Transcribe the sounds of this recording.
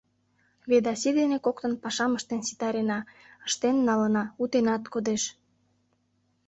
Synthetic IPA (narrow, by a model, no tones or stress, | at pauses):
βed̪ɑsid̪enekok̚t̪ə̆npɑʃɑməʃt̪ensi̥t̪ɑɾenɑ | ə̥ʃt̪enːɑlənɑut̪enɑt̪kod̪eʃ